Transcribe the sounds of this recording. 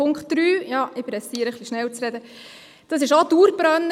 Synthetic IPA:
ʊŋkt̚d̥ɾyːjɑːʔɪpɾɛsiːəɾəχliʃnɛlt͡sɾɛd̪ə | d̪̥ɑs̬ɪʃod̪uːɾbɾœnː

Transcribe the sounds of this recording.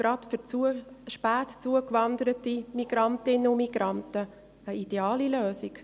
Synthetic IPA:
ɾɑtfy | ʃpæːtt͡suəkʋɑndəɾətimiɡ̥ɾɑntɪnəʊmiɡ̥ɾɑntə | əid̥eɑːliløːsik

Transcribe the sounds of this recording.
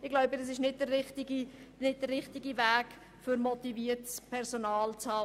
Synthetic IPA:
ɪɡ̥laʊbədɑs̬ɪʃnɪt̚d̥ərːɪχtɪɡinɪt̚d̥ərːɪχtɪɡivæːk | fʏɾmot̪iviːətspʰɛɾsonɑːlt͡shɑː

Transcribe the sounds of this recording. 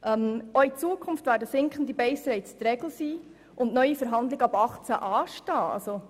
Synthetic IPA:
ʔɛmoit͡suəkʰʊnftʋæːɾdəsɪŋkχn̩dibɛɪsɾɛɪt͡st̪ɾɛɡ̥l̩siː | ʔʊndnœʏjifəɾɦɑnd̪lɪɡəɑbɑχt͡sæʔɑːʃtɑːɑ̰lso

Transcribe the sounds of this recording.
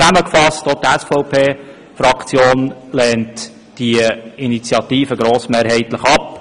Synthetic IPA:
æməkfɑstot̪əɛsfɔʊpʰeː | frɑkt͡sjoːnlɛːnt | d̥iəinit͡sjɑt̪iːfəɡɾoːsmeːɾɦɛɪtləχɑp

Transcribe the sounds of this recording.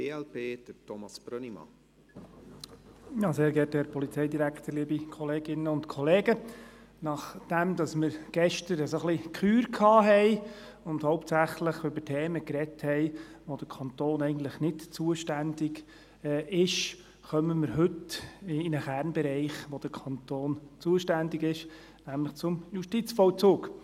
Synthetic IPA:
eɛlpeːd̪̥ətʰɔmɑsb̥ɾønimɑ̰ | jɑːseːɾɡɛːthɛːɾpɔlit͡sɛɪdiɾækχt̪əɾliːbikʰɔleːɡ̥ɪnəʊntkʰɔleːɡə | nɑχd̥æmd̥̪ɑsməɾɡ̥ɛʃtəɾəsoχlikʰyːɾkʰɑːɦɛɪ | ʊndhɔʊp̚tsæχləχʏbətʰeːməkɾɛthɛɪʋod̥əɾkʰɑnt̪oːnɛɪɡən̩t̪ləχnɪtt͡suəʃtændɪɡ | ɪʃ | χœməməɾɦʏtɪnəχæːɾnbɛɾɛɪχʋod̥əɾkʰɑnt̪oːnt͡suəʃtændɪɡɪʃ | næmləχt͡sʊmjuʃtit͡sfɔʊt͡sʊːk

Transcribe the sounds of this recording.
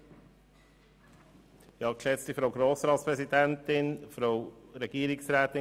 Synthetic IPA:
jɑːkʃɛt͡stifɾoʊɡɾoːsɾɑːtspɾɛsid̪æntɪnfɾowɾɛɡ̥iːɾɪksɾæːt̪ɪ

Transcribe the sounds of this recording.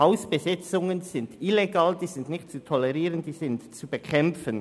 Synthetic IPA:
aʊsb̥əzɪt͡sʊŋənz̥ɪndɪleɡaːldiːzɪndnɪxtt͡sutʰɔlɛʁiːʁəndiːzɪntt͡subəkʰɛmfən

